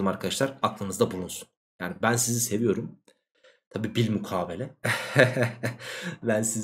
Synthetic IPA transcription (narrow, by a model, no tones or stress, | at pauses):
maɾkʰad̪aʃlˠaɾaklˠɯnɯzd̪abulˠunsun | jaːnibænsizise̞vijo̞ɾum | t̪ʰabiːbilʲmukʰaːbe̞lʲɛ | bænsiz